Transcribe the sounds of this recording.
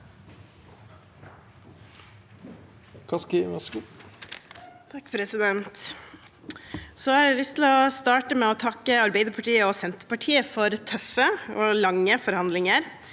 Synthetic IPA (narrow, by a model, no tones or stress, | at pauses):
kʰɑskɪmɛsku | t̪ʰɑkːpʰɾɛsɪd̪ɛnt̪ | soːhɑːɾælʏst̪ʰɪlɔst̪ɑːʈəmeːɔt̪ʰɑkːəɑɾbɛɪd̪əɾpʰɑʈiːəɔːsɛnt̪əpɑʈʰiːəfɔɾt̪ʰœfəoːlɑŋːəfɔɾhɑnd̪lɪŋəɾ